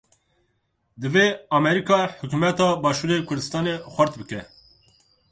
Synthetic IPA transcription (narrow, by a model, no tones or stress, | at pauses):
d̪ɨveɑmɛɾikɑːħʊkʲumɛt̪ɑːbɑːʃuːɾeːkʰʊɾd̪ɨst̪ɑːnexʷæɾt̪bɨkɛ